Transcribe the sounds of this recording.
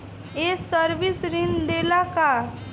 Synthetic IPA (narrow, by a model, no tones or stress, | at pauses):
esəɾbisɾind̪elaka